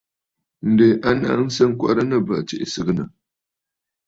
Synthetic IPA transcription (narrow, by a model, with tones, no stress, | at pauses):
n̩˨de˨ʔa˦na̰˦n̩˦sa˦ŋ˦kʷa̰˦ɾa˦na˦˨ba˨t͡ʃḛ˦ʔsə˦ɡna˨